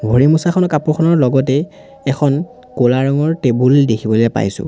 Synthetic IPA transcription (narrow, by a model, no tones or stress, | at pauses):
bʱoɹimusaxʰɔnɔkapuxʰɔnɔɹlɔɡɔtɛ | ɛkʰɔn | kolaɹɔŋɔɹtebuldekʰibɔlojɛpa̰jsʊ̰̃